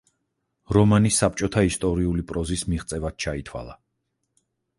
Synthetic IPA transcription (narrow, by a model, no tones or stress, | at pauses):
ɾɔmanisap̚ʰt͡ʃʼɔt̪ʰaist̪ʼɔɾiulipʼɾɔzismiʁt̪sʼɛvad̪̥̚t͡ʃʰait̪ʰwa̰lˠa